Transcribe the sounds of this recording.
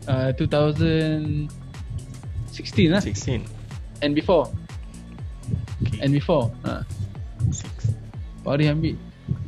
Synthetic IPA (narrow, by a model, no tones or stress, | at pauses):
atut̪awzə̃n | sikstĩnaskn | ɛ̃nbifɔ | ʔɛ̃nbifɔa̰ | pɔɾihɛ̃mpi